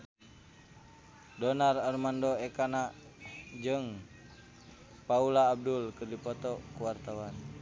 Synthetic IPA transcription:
dɔnararmandɔɛkana | d͡ʒɨŋ | paulaːb̚dulkɨrdipɔt̪ɔkuwart̪awan

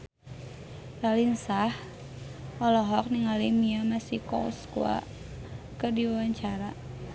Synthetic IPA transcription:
ralinsah | ɔlɔɦɔk̚niŋalimiamasikɔ̰skua̰ | kərdiwawaɲt͡ʃaɾa

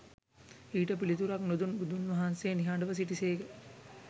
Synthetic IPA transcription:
iːʈəpilit̪uɾaknod̪unbud̪unʋɐɦanseːniɦaːɳɖəʋəs̬iʈiseːɡe

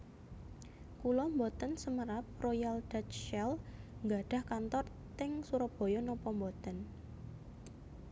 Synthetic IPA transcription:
kulɔmbɔt̪ənsəməɾap̚rojald̥at̪ʃɛlŋɡa̤ɖ̥a̤hkant̪ɔr | t̪ɪŋsuɾɔb̥o̤jɔnɔpɔmbɔt̪ən

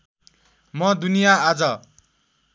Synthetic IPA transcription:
mʌd̪unijaːd͡zʌ

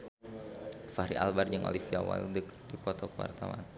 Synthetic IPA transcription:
faɾiʔalbard͡ʒəŋʔo̰lifiawa̰ldəkdipɔt̪ɔkəwa̰rt̪awa̰n

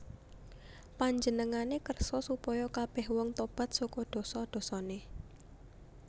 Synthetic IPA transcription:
paɲd͡ʒənəŋanekərsɔsupɔjɔkab̥ɛ̤hwɔŋt̪ɔb̥ä̤t̪̚sɔkɔd̪̥ɔ̤sɔd̪̥ɔ̤sɔne

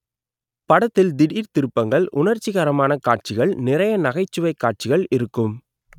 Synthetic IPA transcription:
pɐɽɐt̪ːɪld̪ɪɽiːɾt̪ɪɾɯpːɐŋɡɐɭʔʊnɐɾt͡ʃːɪɣaːɾɐmaːnɐkaːʈ̚t͡ʃɪɣɐɭnɪɾɐjɐnɐɣɐɪt͡ʃːɯʋɐɪkːaːʈ̚t͡ʃɪɣɐɭɪɾɯkːɯm

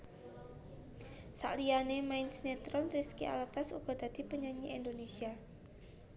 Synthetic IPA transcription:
sa̰ʔlianemaɪnsnet̪ɾɔnɾiskiʔa̰lat̪asṵɡ̥ɔ̤d̪̥a̤d̪̥i̤pəɲaɲiʔend̪onesia

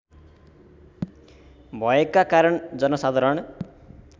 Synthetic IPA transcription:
bʱʌekːakaɾʌɳd͡zʌnʌsad̪ʱaɾʌɳ

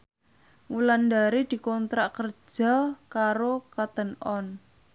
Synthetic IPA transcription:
wulandaɾid̪̥i̤kɔnt̪ɾaʔkər̥d͡ʒʒ̥a̤kaɾokat̪ənɔn

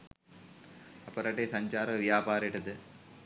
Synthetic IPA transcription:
ɐpːɐɾɐʈːesɐɲt͡ʃaːɾɐʋɪjaːpaːɾɪʈːɯt̪ːɯ

